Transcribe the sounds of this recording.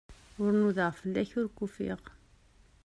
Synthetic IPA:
ʊɾnuðəʁfəlːæçʊɾkːufḭʁ

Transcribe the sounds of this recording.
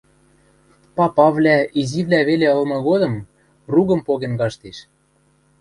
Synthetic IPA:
pɑpɑβlʲæiziβlʲæβeleɤ̆lmɤ̆ɣod̪ɤ̆m | ruɣɤ̆mpoɣenɡɑʃt̪eʃ

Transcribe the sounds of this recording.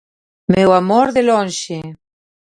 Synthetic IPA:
mewamoɾðelõnʃe

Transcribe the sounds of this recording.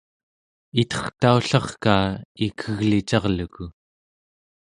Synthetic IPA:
it̪ʰʌ̥χt̪auɬɑχkaːikʰəɣlit͡ʃɑʁluku

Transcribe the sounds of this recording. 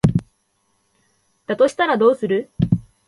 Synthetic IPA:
d̪̥at̪o̞ɕi̥t̪aɾad̪o̞ːsɨɾɯ̟

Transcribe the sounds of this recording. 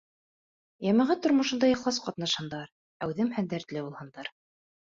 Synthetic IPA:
jæmæ̆ʁɘt̪ŏɾmŏʃɤ̆nd̪ɑiχlˠɑsqɑt̪nɑʃhɑ̆nd̪ɑɾ | æwðɘmhænd̪æɾt̪lɘbulˠhɤ̆nd̪ɑɾ

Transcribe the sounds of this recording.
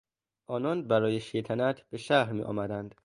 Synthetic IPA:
ʔɒːnɒːnbæɾɒːjeʃejt̪ʰænæt̪ʰb̥e̞ʃæhɾmḭːʔɒ̰ːmæd̪ænd̪̥

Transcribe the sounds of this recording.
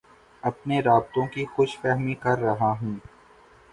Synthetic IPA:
ɐpneɾaːb̚t̪õkixʊʃfɛːɦmikɐɾːɐɦaɦũː

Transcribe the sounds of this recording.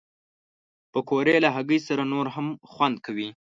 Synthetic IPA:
pəkʰoɾelaɦaɡəjsaɾanoɾɦamxwand̪̚kawi

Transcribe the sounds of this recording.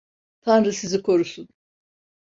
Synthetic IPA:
t̪ʰanɾɯsizikʰo̞ɾusun

